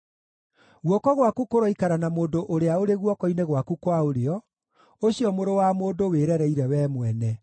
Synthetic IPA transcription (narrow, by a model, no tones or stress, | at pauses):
ɣwɔkɔɣwakukoɾɔikaɾanamoːndoʔoɾeaoɾeɣwɔkɔineɣwakukwaoɾeɔ | oɕiɔmoɾowamoːndoweɾɛɾɛiɾɛwɛmwɛnɛ